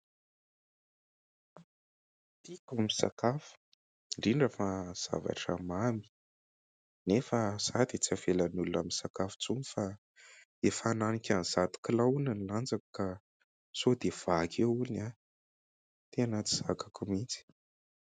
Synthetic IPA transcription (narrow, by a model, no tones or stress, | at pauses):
t̪ikamisa̰kafu̥ | ɖ͡ʐiɳɖ͡ʐafaz̥a̰va̰ʈ͡ʂəmami̥ | nefəz̥ad̪it͡siav̥elanulunamisakafu̥t͡sumifa | efananikʲanzat̪u̥kilaunaniland͡zaku̥ka | sod̪ev̥akʰeulina | t̪eanat͡s̪i̥z̥akakumint͡si̥